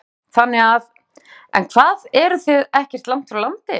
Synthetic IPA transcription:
θanːɪɣað | ɛ̰nkʰvaːðɛɾʏθɪðɛhcɛr̥t̪lam̥t̪fɾalant̪ɪ

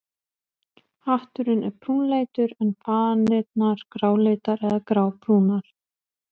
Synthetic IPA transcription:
haht̪ʏɾɪnɛɾpʰɾuːnleːjt̪ʏɾɛnpʰaːðanɪːt̪naɾ̥kɾaːwleːt̪aɾɛðakɾaːwpʰɾuːnaɾ̥

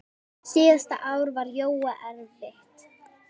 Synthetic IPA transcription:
siːðast̪a̰ʔaːwɾvaɾjoːwaʔɛɾvɪht̪

